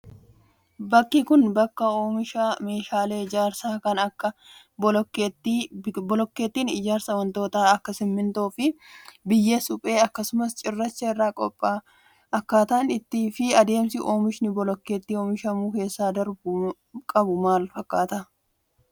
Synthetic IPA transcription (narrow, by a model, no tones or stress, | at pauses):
bɐkːikʊnbɐkːɐoːmɪʃaːme̞ːʃaːle̞ːɪd͡ʒaːɾsaːkɐnɐkːɐ | bɔɔket̪ːibɔlɔkːe̞ːt̪ːiːnɪ̰d͡ʒaːɾsɐwɐnt̪o̞ːt̪aːɐkːɐsɪmːɪnt̪oːfɪbɪjːesʊpʼe̞ːɐkːɐsʊmɐst͡ʃʼɪrːɐt͡ʃːɐɪrːaːkʼɔpʼːaː | ɐkːaːt̪ɐːnɪt̪ːiːfɪɐd̪e̞ːmsɪʔo̞ːmɪʃnɪbɔlɔkːe̞ːt̪ːiːo̞ːmɪʃɐmuːke̞ːsːaːd̪ɐɾb | kʼɐbʊmaːlfɐkːaːt̪ɐ